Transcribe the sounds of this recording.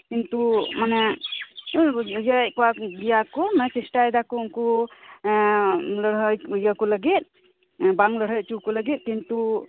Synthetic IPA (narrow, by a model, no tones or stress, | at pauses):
kint̪umanɛ | jəkɔwaɡijakɔmanɛt͡ʃisʈajd̪akɔŋkɔ | ləɽ̤ɦəjjəkɔləɡit̪̚ˀ | baŋləɽ̤ɦəjt͡ʃukɔləɡit̪̚kint̪u